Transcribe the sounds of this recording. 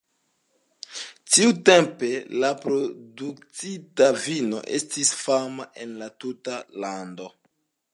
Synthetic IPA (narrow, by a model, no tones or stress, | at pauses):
tiute̞mpe̞lapɾo̞duk̚t͡sitavino̞̰ʔe̞stisfamaʔe̞nlatutalando̞